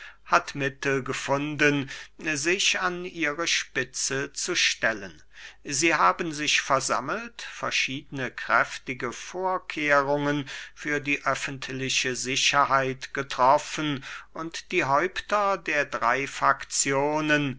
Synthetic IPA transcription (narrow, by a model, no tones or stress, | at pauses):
hatmɪtl̩ɡəfʊndənzɪçaniːʁəʃpɪt͡sət͡suʃtɛlən | ziːhaːbənzɪçfɛɐza̰məl̩tfɛɐʃiːdənəkʁ̥ɛftɪɡəfoːɐkʰeːʁʊŋənfyːɐdiːʔœfən̩tʰlɪʃəzɪçɐhaɪtɡ̥ətʁ̥ɔfənʔʊntd̥iːɦɔʏptɐdeːɐdʁaɪfʁakt͡sjoːnən